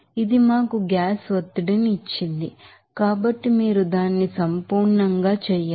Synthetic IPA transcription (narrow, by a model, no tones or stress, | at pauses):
id̪imaːkuɡjaːsʋɐt̪ːiɽinːt͡ʃːind̪i | kaːbɐʈːimiːɾud̪aːnːisɐmpuːɾɳɐŋɡaːt͡ʃɛːjaː